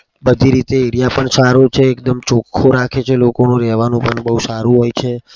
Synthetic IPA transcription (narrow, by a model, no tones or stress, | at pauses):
bəd̪ʱiɾit̪eeɾijapəɳsaɾot͡ʃʰeːk̚d̪əmt͡ʃokʰːoɾakʰet͡ʃʰelokonũɾɛɦʋanũpəɳbəɦusaɾũɦojt͡ʃʰe